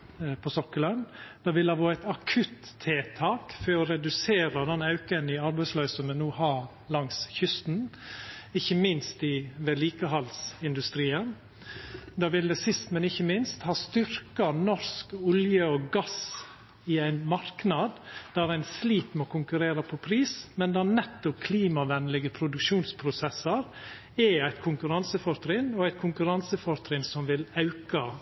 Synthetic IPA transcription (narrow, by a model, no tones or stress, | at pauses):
pʰɔsɔkːələnd̪̥ɑːʋɪlɑːʋoːæt̪ɑkʰʉt̪ʰːeːt̪ʰɑːkføɾɔɾɛd̪ʉseːɾəd̪ɛnːɑʉkənɪɑɾbæɪslœːsɔmɛnuːhɑː | lɑŋsçʏst̪n̩ | ɪçːəmɪnst̪ɪʋɛliːkəɦɑlsɪnd̪ʉst̪ɾiːən | d̪ɑːʋɪld̪ɛsɪst̪mɛnɪçːəmɪnst̪hɑːst̪ʏɾkɑnɔɾskʊljəɔɡɑs | ɪæɪnmɑɾknɑd̪d̪æɾæɪnsliːt̪moːkʰʊŋkʉɾeːɾɑpʰɔpʰɾiːsmɛnd̪ɛænɛt̪ːʊp̚kʰliːmɑʋɛnlɪɡəpʰɾʊd̪ʉkʃuːnspʰɾʊsɛsːəɾ | ɛæɪt̪kʰʊŋkʉɾɑnsəfɔɾt̪ɾɪnɔæɪt̪̚kʰʊŋkʉɾɑnsəfɔɾt̪ʰɾɪnsɔmʋɪlɑʉkɑ